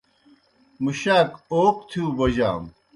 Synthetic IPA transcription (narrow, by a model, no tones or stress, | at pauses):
muɕaːkoːqt̪ʰiũːbɐd͡ʑa̰ːm